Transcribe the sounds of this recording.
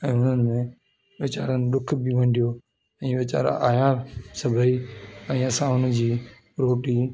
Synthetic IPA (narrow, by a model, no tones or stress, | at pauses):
ɛ̃ːɦʊnənɪ̆mẽ | ʋɪt͡ɕaːɾənɪɗ̪ʊkʰbɪʋɐ̃ɳɖʱijoː | ɛ̃ːʋɪt͡ɕa̰ːɾa̰ʔaːjasɐbʱəiɛ̃ːɐsãɦʊnəd͡ʑiː | ɾoːʈiː